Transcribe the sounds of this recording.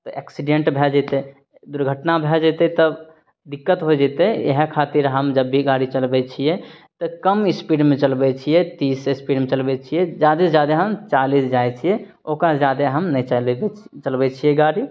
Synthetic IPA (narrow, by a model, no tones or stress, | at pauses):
t̪ɔʔɛ̰ksiɖeɳʈbʱɛd͡ʒɛt̪e | d̪uɾɡʱəʈnabʱɛd͡ʒet̪ɛt̪ə | d̪ikːət̪ɦod͡ʒet̪ejḛɦekʰat̪iɾɦəmd͡ʒəbːiɡaɾit͡ʃəlbɛt͡ʃʰiɛt̪ɔkəmispiɖmẽt͡ʃəlbɛt͡ʃʰijɛt̪isespiɖmẽt͡ʃəlbɛt͡ʃʰijɛd͡ʒad̪esed͡ʒjad̪eɦəmt͡ʃalisd͡ʒaet͡ʃʰije | okad͡ʒjad̪eɦəmnəit͡ʃəlbɛ | t͡ʃəlbɛt͡ʃʰijɛɡaɽi